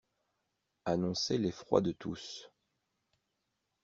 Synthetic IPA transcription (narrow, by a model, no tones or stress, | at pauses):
anɔ̃selefχwa̰d̪ət̪ʰus